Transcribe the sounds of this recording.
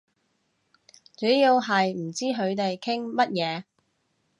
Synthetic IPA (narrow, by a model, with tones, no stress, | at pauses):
t͡ʃɵ˨˥jiː˧wɦɐ˨jm̩˨˩t͡siː˥ɦɵ˨˧ɥt̪e˨jkʰɪ˥ŋmɐ˥t̚jɛː˨˧